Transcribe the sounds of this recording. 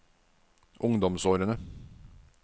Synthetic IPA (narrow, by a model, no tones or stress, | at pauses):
ʔʊŋd̪ɔmsoːɾənə